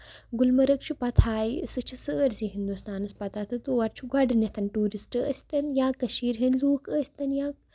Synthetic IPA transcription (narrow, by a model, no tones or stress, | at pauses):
ɡulmɐɾɐk̚t͡ʃʰupɐt̪ʰaːjsɨt͡ʃʰisəːɾsiɦind̪ust̪aːnɐspɐt̪at̪ʰɨt̪uːɐɾt͡ʃʰuɡɐɖɨnɐt̪ʰɐnʈuːɾisʈɨɐ̰sʲt̪ɐnjaːkɐʃiːɾɦɐnluːkəːsʲt̪ɐnjaː